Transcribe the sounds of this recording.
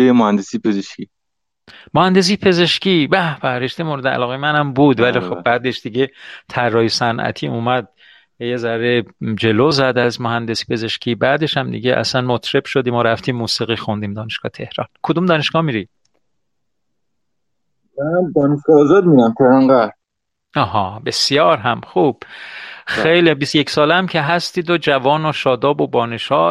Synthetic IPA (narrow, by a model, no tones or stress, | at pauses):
ejmohænd̪esipʰezeʃki | mohænd̪e̞s̬iːpʰe̞ze̞ʃciːbæbæɾeʃt̪emoɾed̪eæ̰lɒːɣejmænæmbuːd̪vælixobbæːd̪eʃd̪̥iɟe̞t̪ʰærːɒːjesænʔæ̰t̪ʰiːuːmæd̪̚ | ejezæɾed͡ʒe̞lozæd̪æzmohænd̪esi̥pʰe̞ze̞ʃcʰiːbæːd̪e̞ʃhæmd̪ḭɟeʔæ̰sænmot̪ʰɾebʃod̪imɒːɾæft̪iːmːuːsiːɣixund̪iːmd̪ɒːneʃɡ̥ɒːhet̪ʰe̞hɾɒ̰ːnkʰod̪uːmd̪ɒːneʃɡ̥ɒːhmiːɾi | æd̪ɒːneʃɡ̥ɒːzɒd̪̚mid̪æmt̪ʰehɾɑnɡæɾ | ɒːɦɒːbe̞sjɒːɾɦæmxuːb̥xejlibist̪ojecsɒːleæmcʰeɦæst̪iːd̪od͡ʒævɒːnoʃɒːd̪ɒːbobɒːne̞ʃɒː